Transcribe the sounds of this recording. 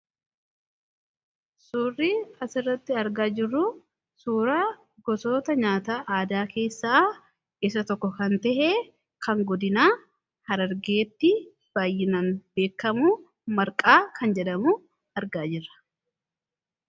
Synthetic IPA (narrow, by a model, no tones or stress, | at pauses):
suːriːkɐsɪrːɐt̪ːɪɐɾɡaːd͡ʒɪrːu | suːɾaː | ɡɔso̞ːt̪ɐɲaːt̪aːʔaːd̪aːke̞ːsːaː | ʔɪsɐt̪ɔkːɔkɐnt̪ɛʔe | kɐŋɡɔd̪ɪnaː | hɐɾɐɾɡe̞ːt̪ːɪ | b̥aːjːɪnɐnbe̞ːkːɐmu | mɐɾkʼaːkɐnd͡ʒɛᶑɐmu | ɐɾɡaːd͡ʒɪrːɐ̥